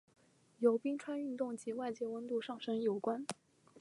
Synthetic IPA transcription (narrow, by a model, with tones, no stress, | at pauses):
jo˧˥ʊpi˥ŋʈ͡ʂʰwa˥ny˥˧nt̪ʊ˥˩ŋt͡ɕi˧˥wa˥˩ɪt͡ɕjɛ˥wə˧˥nt̪u˥˧ʂɑ˥˩ŋʂɤ˥ŋjo˨˩ʊkwa˥n